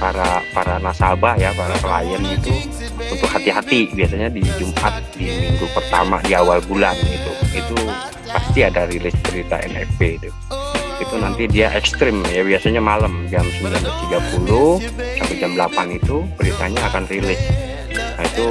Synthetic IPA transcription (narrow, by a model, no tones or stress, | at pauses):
paɾapaɾanasabahjapaɾakəla̰jənit̪u | unt̪ʊk̚hat̪iɦat̪ibiasaɲadid͡ʒumʔa̰t̪̚dimiŋɡupərt̪ama̰diawalbulanɡit̪uit̪u | past̪iadaɾilɪsbəɾit̪a̰ʔɛ̰nɛ̰ped̪u | it̪unant̪idiaʔɛkst̪ɾɪmjabiasaɲamaləmd͡ʒamsəmbilandant̪iɡapulʊh | katud͡ʒambəlapanit̪ubəɾit̪aɲaːkanrilɪs | nait̪u